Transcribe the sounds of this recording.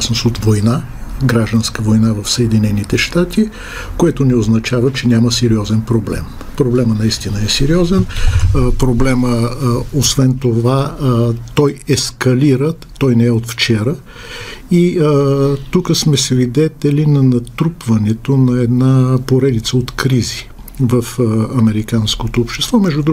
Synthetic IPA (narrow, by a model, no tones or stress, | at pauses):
snosot̪vojna | ɡɾaʒd̪ənskəvojnavɐfsəɛd̪inɛnit̪ɛʃt̪at̪i | koɛt̪onɛoznɐt͡ʃavət͡ʃɛnʲaməsɛɾiɔzɛnpɾoblɛ̰m | pɾoblɛmənɐist̪inəɛsɛɾiɔzɛnpɾoblɛməosvɛnt̪ova | t̪ɔjɛskɐliɾəɔjnɛɛot̪ft͡ʃɛɾə | i | t̪ukəsmɛsvid̪ɛt̪ɛlinɐnɐt̪ɾupvɐnɛt̪onɐɛd̪napoɾɛd̪it̪səot̪kɾizi | vəfɐmɛɾikanskot̪oːpʃt̪ɛ̥st̪vɔmɛʒdud̪ɾ